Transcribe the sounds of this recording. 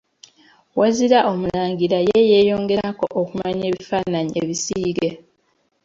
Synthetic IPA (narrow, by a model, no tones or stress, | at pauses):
waziɾaʔo̞mulaːŋɡiɾajeje̞ːjo̞ːŋɡe̞ɾako̞̰ʔokumaɲe̞ːβifaːnaɲiʔeβisiiːɡe